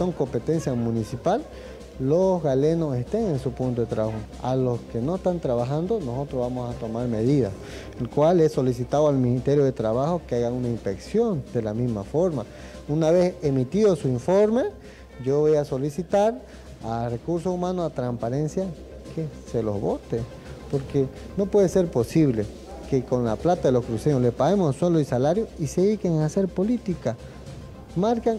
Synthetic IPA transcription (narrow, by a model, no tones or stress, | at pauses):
oŋkompet̪ensjamunisipalː | osɣalenosest̪eŋensupunt̪oðet̪ɾaβaxo | aloskenoest̪ant̪ɾaβaxand̪onosot̪ɾoβamosat̪omaɾmeðiða̰s | elkwalesolisit̪aðoalminist̪eɾjoðet̪ɾaβaxokeaɣaŋunaimpeksjond̪̥elamismafoɾma | unaβesemit̪iðosuiɱfoɾme | ɟ͡ʝoβojasolisit̪aɾ | arekuɾs̬oumanosat̪ɾampaɾensja | kʰeselo̰zβot̪e | poɾkenopweðeseɾposiβle | kekonlaplat̪aðeloskɾuseɲoslepaɣemossweloisalaɾjoiseðikeŋaseɾpolit̪ika | maɾkaŋ